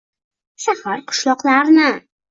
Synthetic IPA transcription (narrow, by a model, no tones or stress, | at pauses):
ʃahaɾqʰʊ̥ʃlˠɒqlaɾnɪ